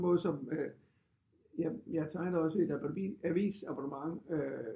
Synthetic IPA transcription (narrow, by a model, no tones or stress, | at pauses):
mɔ̽ːðˠsɒ̽mø | jɑjɑ̈t͡sʰɑ̈ɪðɒ̽sed̥æb̥iæʋḭːsɑ̈b̥ʰɑnəmɑ̈ŋø